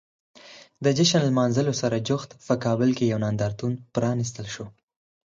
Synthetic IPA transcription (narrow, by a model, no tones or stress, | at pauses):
d̪əd͡ʒɪʃanlmɑnzəlosaɾad͡ʒʊxt̪pəkɑbəlkejawnɑnd̪ɑɾt̪unpɾɑnis̬t̪əlʃo